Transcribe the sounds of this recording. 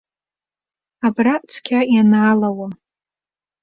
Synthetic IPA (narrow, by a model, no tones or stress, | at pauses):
abraʔʼt͡sʰkʲʰajanaːlawa